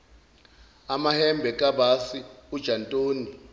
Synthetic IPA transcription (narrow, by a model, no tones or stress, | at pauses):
amahɛmbʱɛkʼabasiud̥ʒ̥ʱantʼoːni